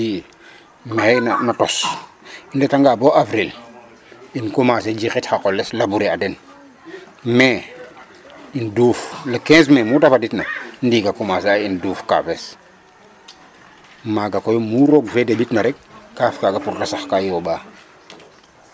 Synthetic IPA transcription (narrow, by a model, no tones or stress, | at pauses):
i | meɛjnanatɔs | indetaŋɡabɔavɾil | inkumas̬ed͡ʒixitxakɔlːɛslabuɾiadɛn | mɛ | induːflakɛ̃ːs̬mɛmutafaditnandiːɡakumasainduːfka̰pɛs | maɡakɔjumuɾɔɡfedebitnɐɾɛk̚ːaːfkaɡapuɾdasaxkajɔbaː